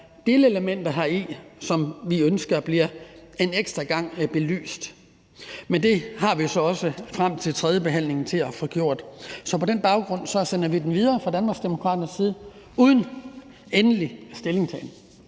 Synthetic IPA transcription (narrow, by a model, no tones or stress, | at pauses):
d̥eləeləmen̰d̥ɐɦɑ̈isɒ̽mʋiønsɡ̥ɐb̥liɐe̝neɡ̥sd̥ʁɐɡ̥ɑ̈ŋ̰b̥e̝ly̰ːsd̥ | mend̥e̝ɦɑ̈ʋisɒ̽ɒ̽səfʁam̰t͡sʰe̝lt͡sʰʁɛð̞ˠjəb̥e̝ɦæn̰le̝ŋn̩t͡sʰe̝læfɔ̽ɡ̥jo̝ɐ̰d̥sɒ̽pʰɒ̽d̥enb̥ɑ̈ʊɡ̥ʁɔ̽n̰sɒ̽sen̰ɐʋid̥en̩ʋið̞ˠɐːfʁɑ̈d̥ænmɑ̈ɡ̥sd̥emo̝kʰʁɑ̈ːd̥ɐnsːiːð̞̩ˠ | uːð̞ˠn̩ | enəlisd̥e̝le̝ŋt͡sʰɛ̰ːn